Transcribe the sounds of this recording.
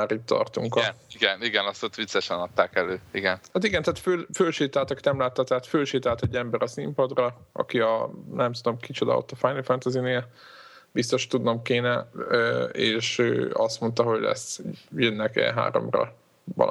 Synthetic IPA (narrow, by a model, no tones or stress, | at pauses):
aːɾitt̪ːɒ̰rt̪uŋkɒiɡɛniɡɛnɒsot̪ʋit̪sɛʃɛnɒt̪ːaːkɛløːiɡɛnhat̪iɡɛnt̪aːt̪følføːlʃeːt̪aːlt̪ɒki̥t̪ɛmlaːt̪ːɒt̪ɛɦaːt̪føːlʃeːt̪aːlt̪ɛɟːɛmbɛɾɒsimpɒd̪rɒɒ̰kiɒnɛmt̪ud̪o̞mkit͡ʃod̪ɒ̰o̰t̪ːɒfaːjnifɛnt̪ɛzineː | bist̪o̞ʃt̪ud̪no̞mkeːnɛøeːʃø̰ːɒst̪mo̞nt̪ɒɦo̞ɟlɛ̰sjønːɛkɛ̰ɦa̰ːɾo̞̰mrɒ̰ | bɒ̰l